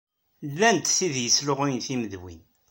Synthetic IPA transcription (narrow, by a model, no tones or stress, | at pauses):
lːænt̪θiðjəslʊʁunθiməðwḭn